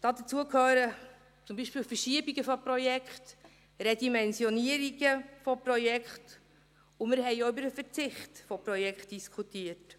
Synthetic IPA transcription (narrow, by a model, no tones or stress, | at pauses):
d̥ɑːd̪ət͡suəkhøːɾə | t͡sʊmbiːʃpiːlfəɾʃiəbiɡəfɔprɔjɛkχt | rɛdimɛnsjɔniəɾiɡəfɔprɔjɛkχt | ʊmɪɾɦɛɪoybəɾəfət͡sɪχtfɔpɾɔjɛkχt̚d̥iskʰutiət